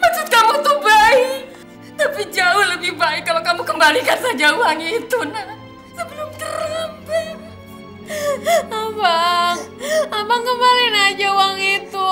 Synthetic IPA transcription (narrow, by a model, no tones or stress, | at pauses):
mat͡ʃuk̪amaŋt̪ubaɪk | t̪apid͡ʒaʊhləbɪhbaɪkːalokamukəmbalikansad͡ʒauwaŋit̪unah | sabəlʊmt̪əɾəpi | abaŋabaŋkəmbalinad͡ʒauwaŋit̪u